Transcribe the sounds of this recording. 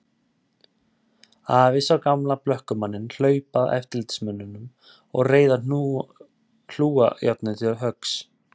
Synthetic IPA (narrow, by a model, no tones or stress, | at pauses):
aːvɪsawkamlaplœhkʏmanːɪnl̥œːɥpaðɛ̰ft̪ɪlɪt̪ɪ̥smœnːʏnʏm | ɔ̰ɣreːjðanu | ɬl̥uːa̰jat̪nɪtiaðɦœks